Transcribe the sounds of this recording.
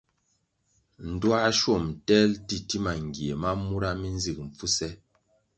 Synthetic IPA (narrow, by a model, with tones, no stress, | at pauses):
n̩˨dwa˦ʃo˦˨mtɛ˦lti˦˨ti˦ma˨ŋ˨ɡje˨ma˦mu˦ɾa˦mi˦n˦zi˦˨k̚m̩˨p͡fu˦sɛ˦